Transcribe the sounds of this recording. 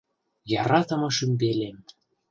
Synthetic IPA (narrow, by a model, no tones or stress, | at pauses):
jɑɾɑt̪ɤ̆mɤ̆ʃymbelem